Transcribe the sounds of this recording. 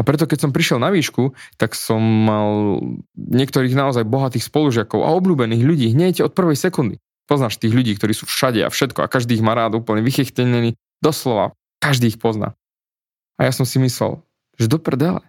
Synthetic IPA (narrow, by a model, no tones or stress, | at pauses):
apɾɛt̪ɔkɛcsɔmpɾiʃjɛlˠnaʋiːʃkut̪aksɔmːal | ɲɪɛkt̪ɔɾiːɣnaɔzajbɔɦat̪iːxspɔluʒɪakɔʊʔa̰ɔbʎuːbɛniːɣʎuɟiːɦɲɛjcɛɔt̪̚pr̩ʋɛjsɛkund̪i | pɔznaːʃt̪iːɣʎuɟiːkt̪ɔɾiːsuːfʃaɟɛa̰fʃɛt̪kɔa̰kaʒd̪iːɣmaːɾaːd̪uːpl̩ɲɛʋixɛxcɛɲɛniː | d̪ɔslɔʋa̰ | kaʒd̪iːxpɔzna̰ː | ajasɔmsimislɛ̰l | ʒ̥ɛd̪ɔpr̩ɛd̪alɛ̰